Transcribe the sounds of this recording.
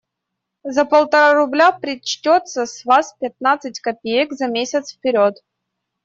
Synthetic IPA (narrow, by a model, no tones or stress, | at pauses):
zəpəlˠt̪ɐɾaɾʊblʲapɾʲɪt͡ɕtʲot̪səsʲvaspʲɪt̪̚nat̪sɨt̚ʲkɐpʲejəkzɐmʲesʲət̪sfpʲɪɾʲot̪